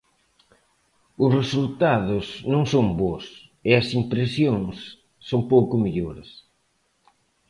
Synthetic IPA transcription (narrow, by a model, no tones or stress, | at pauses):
ʊsresult̪aðʊsnõŋsoŋbos | ɪɐsimpɾesjoŋsː | oŋpowkʊmiʎoɾɐs